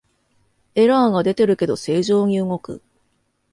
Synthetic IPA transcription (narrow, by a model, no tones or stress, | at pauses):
e̞ɾaŋɡad̪e̞t̪e̞ɾɯ̟ke̞d̪o̞se̞ːʑo̞ːɲ̟iɯ̟ŋo̞kɯ̟̰